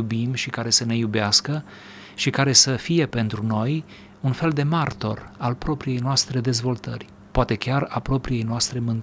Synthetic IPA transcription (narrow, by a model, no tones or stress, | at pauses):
ubimʃikaɾe̞səne̞jubeaskə | ʃikaɾe̞səfije̞pe̞nt̪ɾuno̞j | unfe̞ld̪e̞mart̪o̞̰ralpɾo̞pɾije̞jnoast̪ɾe̞d̪e̞zvo̞lt̪ərʲ | poat̪e̞kʲarapɾo̞pɾije̞jnoast̪ɾe̞mɨnt̪